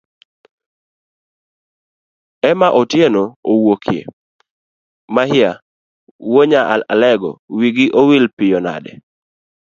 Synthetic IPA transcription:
ɛmaʔotjenoowokʰjḛ | mahɪa | woɲaʔala̰lɛɡɔ̰wiɡiʔowilpɪjɔna̰dɛ̰

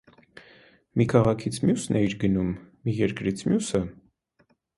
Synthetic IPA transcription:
mikʰɑʁɑkʰit͡sʰmjusnɛiɾɡənumː | ijɛɾkɾit͡sʰmjusə

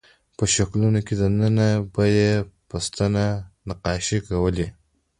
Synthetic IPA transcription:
pəʃaklunoked̪ənənabajepəst̪ananaqɑʃikawəli

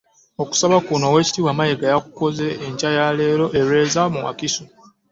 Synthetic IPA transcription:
o̞ku̥saβakunowe̞ːci̥tiːwamajeɡajaku̥ko̞ze̞ːɲcajale̞ːɾo̞ʔeɾe̞ːzamuwa̰kisu

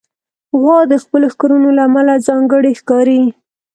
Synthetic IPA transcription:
ɣwɑd̪əxpəloxkoɾunolaːmalazɑŋɡəɽixkɑɾi

